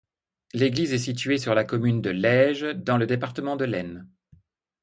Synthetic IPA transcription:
leɡlizɛsit̪̬ɥesyʁlakɔmynd̪əlɛʒd̪ɑ̃ləd̪epaʁt̪əmɑ̃d̪əlɛn

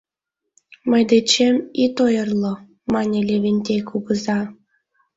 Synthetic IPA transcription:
məjd̪et͡ɕemit̪ojərlo | mɑnʲelʲeβʲenʲt̪ʲekuɣəzɑ

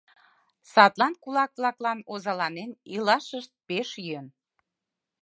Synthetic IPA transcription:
sɑt̪lɑnkulɑklɑklɑnozɑlɑnenilɑʃəʃt̪̚peʃjøn

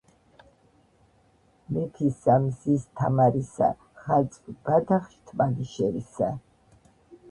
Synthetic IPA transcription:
mɛt̪ʰisamzist̪ʰamaɾisa̰ | χat̪t͡sʼvb̥ad̪aχʃt̪ʰmaniʃɛɾisa

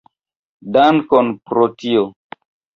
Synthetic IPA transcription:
dankonpɾotio

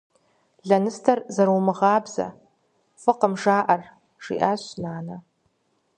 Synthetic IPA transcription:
ɮɐnɨstʰɐrzɐɾumɨʁɑːbz̥ɐ̰ | fʷɨqəmʐaːʔɐr | ʂḭːʔaːɕnaːnɐ

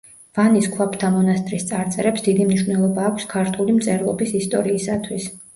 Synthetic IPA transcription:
v̥aniskʰwapʰt̪ʰamɔnast̪ʼɾist̪sʼaɾt̪sʼɛɾɛpsd̪id̪imniʃvnɛlˠɔbaːkʷʰskʰaɾt̪ʰulimt̪sʼɛɾlˠɔbisist̪ʼɔɾiːsat̪ʰwis

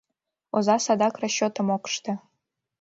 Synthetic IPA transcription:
ozɑsɑd̪ɑkrɑɕot̪əmokʂt̪ɤ̆

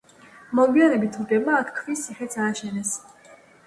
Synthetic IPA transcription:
mɔɡianɛbit̪ʰud͡ʒɛmaːk̪ʰkʰvisiχɛt̪sʰaːʃɛnɛs

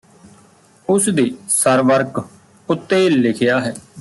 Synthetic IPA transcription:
ʊsd̪eːsəɾʋəɾk | ʊt̪ːeːlɪkʰɪjaːɦɛː

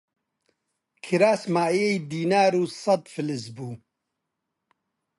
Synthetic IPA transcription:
kʰiɾaːsmaːjejd̪iːnaːɾuːsɐd̪fɨlɨzbuː

